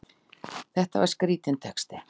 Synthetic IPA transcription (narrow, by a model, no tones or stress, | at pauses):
θɛht̪ava̰ɾ̥skɾiːt̪ɪnt̪ʰɛkst̪ɪ